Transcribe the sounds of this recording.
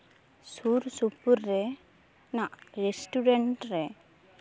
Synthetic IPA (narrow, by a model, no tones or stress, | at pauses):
suɾsupuɾːɛ | naʔɾesʈuɖɛɳʈɾɛ